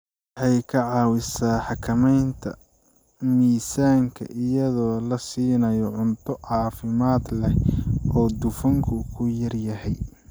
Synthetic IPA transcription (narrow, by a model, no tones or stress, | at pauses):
wwħɑjkʰɐʕɑːwɪsaːħɑkʰɐmɛjnt̪ʰɐ̰ | miːsaːŋkʰɐ̰ʔɪjɐðɔːlɐsiːnɐjɔʕʊnt̪ʰɔʕɑːfɪmaːd̪lɛʔɔːd̪ʊfɐŋkʰʊkʰʊjɐrjɐhɛj